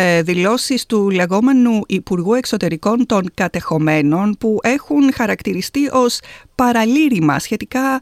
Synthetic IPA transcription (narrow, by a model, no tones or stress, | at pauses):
ðilo̞sist̪ule̞ɣo̞me̞nuʔipuɾɣue̞kso̞t̪e̞ɾiko̞nt̪o̞ŋkɐt̪e̞xo̞me̞no̞npuʔe̞xunxɐɾɐkt̪iɾist̪iʔo̞spɐɾɐliɾimɐ̰sçe̞t̪ikɐ